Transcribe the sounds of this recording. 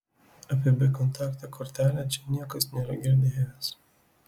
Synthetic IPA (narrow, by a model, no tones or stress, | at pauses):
ɐpʲɛbʲekɔnt̪ɑːkt̪ɐkʰɔɾʲt̪ʲæːlʲæt͡ʃʲɛnʲiɛkɐsnʲɛɾɐɡʲɪɾʲd̪ʲɪɦɛʋʲɛs